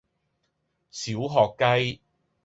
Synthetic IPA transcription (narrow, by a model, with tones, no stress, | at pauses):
siː˨˥wɦɔː˨kːɐ˥j